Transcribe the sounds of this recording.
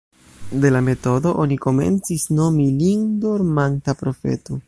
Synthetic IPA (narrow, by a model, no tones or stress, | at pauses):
de̞lame̞to̞do̞ʔoniko̞me̞̰nt͡sisno̞miliŋdoɾmantapɾo̞fe̞̰to